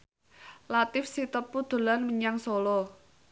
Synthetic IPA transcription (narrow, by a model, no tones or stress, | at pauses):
lat̪ɪfsit̪əpːud̪̥o̤lanməɲaŋsolɔ